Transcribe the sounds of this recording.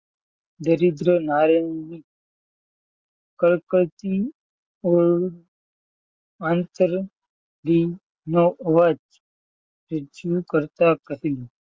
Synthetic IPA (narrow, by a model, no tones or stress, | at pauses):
d̪əɾid̪ɾənaɾəni | kəlkət̪i | oɭ | ant̪əɾ | li | noʔəʋad͡ʒ | ɾəd͡ʒukəɾt̪akəɦilo